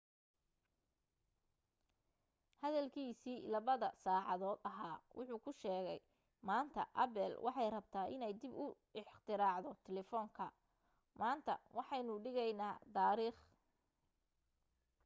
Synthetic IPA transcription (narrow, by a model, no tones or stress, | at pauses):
hɐðɐlkʰiːsiːlɐβɐðɐsaːʕɑðɔːd̪ɐɦaːwʔʊħuːkʰʊʃɛːɣɛj | maːnt̪ʰɐ̰ʔɐbɛlwʔɑħɑjrɐb̚t̪ʰaːʔɪ̰nɛjd̪ɪbʊ | ɪħt̪ʰɪɾaːʕðɔt̪ʰɛlɛfɔːŋkʰɐ | maːnt̪ʰɐ̰wɑħɑjnʊɖɪɣɛjnaːd̪aːɾiːχ